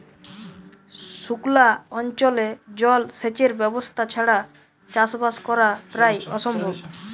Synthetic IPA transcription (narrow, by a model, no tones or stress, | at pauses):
ʃuklaɔnt͡ɕoled͡ʑɔlset͡ɕeɾbɛbost̪ʰat͡ɕʰaɽa | t͡ɕasbaskɔɾapɾajɔʃɔmbʱob